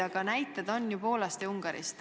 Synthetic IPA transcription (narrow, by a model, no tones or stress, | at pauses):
ɑɡ̥ɑnæjt̪ːˑed̪̥o̞nːjupo̞ːlɑst̪euŋɡ̥ɑɾḭst̪